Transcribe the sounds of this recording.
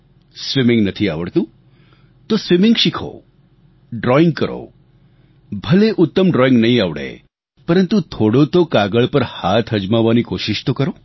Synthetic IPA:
sʋimɪ̃ŋɡnət̪ʰiaʋəɭt̪ũ | t̪osʋimɪŋɡʃikʰo̰ | ɖɾɔɪ̃ŋɡ̚kəɾo̰ | bʱəleʔʊt̪ːəmɖɾɔɪ̃ŋɡnəɦĩaʋɽḛ | pəɾənt̪ut̪ʰoɽot̪okaɡəɭpəɾhat̪ʰɦəd͡ʒmaʋːanikoʃɪʃt̪okəɾo

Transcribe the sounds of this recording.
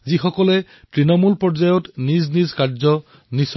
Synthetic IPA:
zixɔkɔlɛ | tɹinɔmulpɔɹzajɔtniznizkaɹzɔ | nis

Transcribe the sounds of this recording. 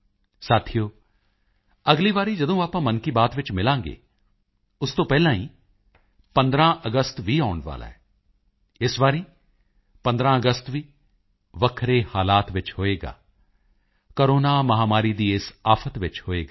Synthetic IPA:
saːt̪ʰijoː | ɐɡliʋaːɾĩd͡ʒɐd̪õːaːpãːmɐnkibaːt̪ʋɪt͡ʃmɪlãːŋɡḛː | ʊst̪opɛɦlãːĩː | pɐ̃nd̪ɾãːʔɐɡəst̪ʋʱiaːʊɳʋa̰ːla̰ːɦɛː | ɪsʋaːɾĩ | pɐ̃nd̪ɾãːɐɡəst̪ʋiː | ʋɐkʰɾehaːlaːt̪ʋɪt͡ʃɦoːeːɡa̰ː | koːɾoːnaːmɐɦaːmaːɾid̪iːɪsaːfʰət̪ʋɪt͡ʃɦoːeːɡaː

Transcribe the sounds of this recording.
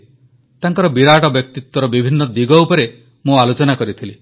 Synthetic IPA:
t̪aŋkɔɾɔbiɾaʈɔbjɔk̚t̪it̪wɔɾɔbibʱinːɔd̪iɡɔwpɔɾe | mũalot͡ʃɔnakɔɾit̪ʰili

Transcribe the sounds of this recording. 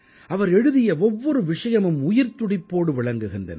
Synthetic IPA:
ʔɐʋɐɾɛɻɯðɪjɐɔʋːɔɾɯʋɪʂɐjɐmɯmʊjɪɾt̪ʊɽɪpːoːɽɯʋɪɭɐŋɡɯɣɪndrɐ̰nɐ̰

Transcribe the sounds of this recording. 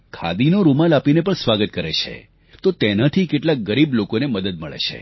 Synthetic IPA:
kʰa̰d̪inoɾumalapinepəɳsʋaɡət̪̚kəɾet͡ʃʰḛ | t̪ot̪enat̪ʰikeʈlak̚ɡəɾiblokoneməd̪əd̪̚məɭḛt͡ʃʰḛ

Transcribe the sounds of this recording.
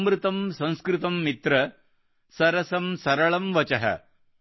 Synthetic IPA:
mɾɨt̪ɐmsɐ̃w̃skɾɪt̪ɐmːit̪ɾɐ | sɐɾɐsɐmsɐɾɐɭɐmʋɐt͡ʃɐɦɐ̰

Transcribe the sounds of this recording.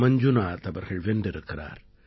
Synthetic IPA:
mɐɲd͡ʒunaːt̪ɐʋɐɾɣɐɭʋenɖɪɾɯkːɪra̰ːɾ

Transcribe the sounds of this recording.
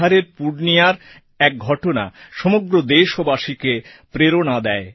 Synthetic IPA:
aɾeɾpuɾnijaɾ | ɛk̚ɡʱɔʈona̰ʃɔmoɡɾod̪eʃobaʃikepɾeɾonad̪ɛe

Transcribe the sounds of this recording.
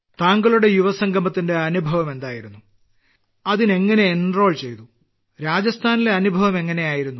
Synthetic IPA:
t̪aːŋɡɐɭuɽe̞juʋɐsɐŋɡʱɐmɐt̪ːinde̞ɐnubʱɐʋɐme̞nd̪aːjiɾunːu | ɐðine̞ŋːɐne̞ːnro̞ːɭt͡ɕe̞jt̪u | ɾaːd͡ʑɐst̪ʰaːnile̞ɐnubʱɐʋɐme̞ŋːɐne̞jaːjiɾunːu

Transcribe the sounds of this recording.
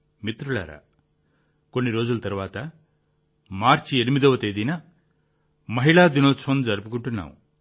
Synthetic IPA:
mit̪ɾuɭa̰ːɾa̰ː | konːiɾoːd͡ʒulɐt̪ɐɾʋaːt̪ɐ | maːɾt͡ʃienimid̪ɐʋɐt̪ed̪inɐ | mɐɦiɭaːd̪inoːt͡sʰond͡ʒɐɾpukuɳʈunːa̰ːwṵ

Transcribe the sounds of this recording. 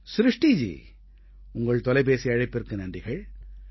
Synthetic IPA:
sɾɯʂʈid͡ʒḭː | ʊŋɡɐɭt̪ɔlɐɪp̬eːsiɐɻɐɪpːɪrkɯnɐndɪɣɐɭ

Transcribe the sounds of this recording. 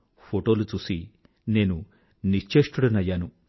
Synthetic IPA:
pʰoʈoːlut͡susi | neːnu | nit͡ʃeːʂʈuɽɐnɐjaːnu

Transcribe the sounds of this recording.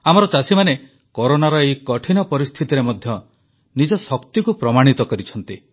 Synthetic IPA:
amɔɾɔt͡ʃasimane | kɔɾonaɾɔejkɔʈʰinɔpɔɾist̪ʰit̪iɾemɔd̪ʱjɔ | nid͡ʒɔsɔkt̪ikupɾɔmaɽ̃it̪ɔkɔɾit͡ʃʰɔn̪t̪i

